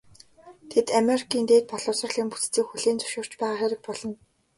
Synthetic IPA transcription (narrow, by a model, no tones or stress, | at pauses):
t̪ʰet̪ameɾikʰiːnt̪eːt̪̚pɔɮʊːsɞ̆rɮiːmput͡st͡siːkxuɮiːnt͡sʊ̥ʃʊːr̥t͡ɕpæːʁaːχæɾʲɪ̆k̚pɔɮɞ̆n